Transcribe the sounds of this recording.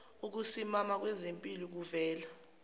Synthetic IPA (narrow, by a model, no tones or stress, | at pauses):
uk̬usimamak̬wɛzempʼiluk̬uvɛːla